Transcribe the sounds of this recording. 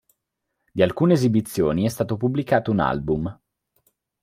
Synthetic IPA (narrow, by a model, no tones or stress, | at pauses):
d̪ialkuːneːzibit̪sːjoːniɛst̪aːt̪opublikaːt̪ouna̰lbum